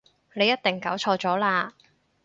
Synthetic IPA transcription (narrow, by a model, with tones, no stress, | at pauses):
ne˨˧jɐ˥t̪̚t̪ɪ˨˩ŋkɐ˨˥wt͡ʃʰɔː˧t͡sɔː˨˥laː˧